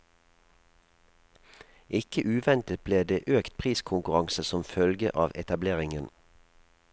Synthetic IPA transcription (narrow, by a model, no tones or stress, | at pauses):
ʔɪkəʔʉːʋɛnt̪ət̪̚bleːd̪eːʔøːkt̪̚pʰʁiːskʰʊŋkʉʁɑŋsəsɔmfœlɡə̰ʔɑːʋɛt̪ɑbleːʁɪŋən